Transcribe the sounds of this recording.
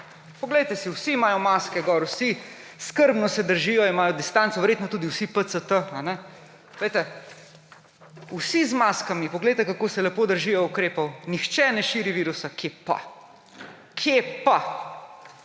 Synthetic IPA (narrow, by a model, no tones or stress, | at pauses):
pɔɡlɛjt̪ɛsiwsiːmaːjɔmaskɛɡɔɾwsi | skəɾbnɔsɛd̪əɾʒijɔimaːjɔd̪ist̪ant̪soʋɛɾjeːt̪nɔt̪uːd̪iwsipət̪sət̪əanɛ | pɔɡlɛjt̪ɛ | usizmaskamipɔɡlejt̪ɛkakosɛlɛpoːd̪əɾʒijɔukɾeːpɔwnixt͡ʃɛnɛʃiːɾiʋiːɾusakʰepa̰ | kʰepa